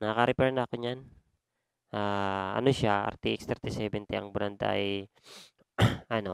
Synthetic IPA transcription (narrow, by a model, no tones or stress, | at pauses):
nakaɾɛpɛɾnaːkoɲan | ʔaːɐ̰noʃaa̰ɾt̪iʔikst̪ɛɾt̪ɪsɛbɛnt̪ɛɐ̰ŋbʊɾand̪a̰j | ano